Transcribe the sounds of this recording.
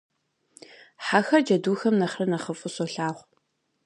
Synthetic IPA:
ħaxɐrd͡ʒɐduːxɐmnɐχrɨnɐχəfʼɨsɔɬaːʁʷ

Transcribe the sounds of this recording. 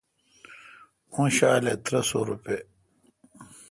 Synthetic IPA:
ũɕaːlet̪ɾɐso̰ɾupe

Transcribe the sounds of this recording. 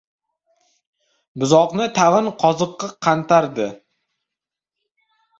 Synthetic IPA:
bʊzɒqnɪt̪ʰavɪnqʰɒzɨqːɨqʰːɑnt̪aɾd̪ɪ

